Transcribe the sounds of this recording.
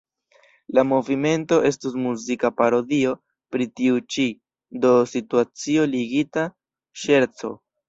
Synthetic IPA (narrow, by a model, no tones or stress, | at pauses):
lamo̞vime̞nto̞ʔe̞stusmuzikapaɾo̞dio̞ | pɾitiut͡ʃi | do̞situat͡sio̞liɡita | ʃe̞ɾt͡so̞̰